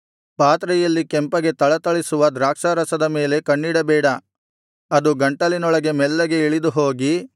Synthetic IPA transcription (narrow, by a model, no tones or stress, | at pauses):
paːt̪ɾɛjɐlːikɛmpɐɡe̞t̪ɐɭɐt̪ɐɭisuʋɐd̪ɾaːkʂɐɾɐsɐd̪ɐme̞ːle̞kɐɳːiɽɐbɛːɽɐ | ɐd̪uɡɐɳʈɐlinɔɭɐɡe̞mɛlːɐɡe̞iɭid̪uɦoːɡi